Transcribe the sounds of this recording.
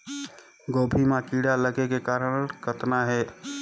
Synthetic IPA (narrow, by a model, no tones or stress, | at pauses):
ɡobʱimãkiɽaləɡekekaɾənkət̪naɦɛ